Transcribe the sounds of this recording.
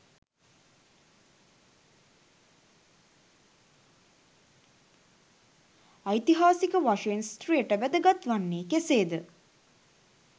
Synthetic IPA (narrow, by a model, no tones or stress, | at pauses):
ajt̪iɦaːsikəʋaʂeenst̪rijəʈəʋæd̪əɡat̪ʋanːeːkeseːd̪ə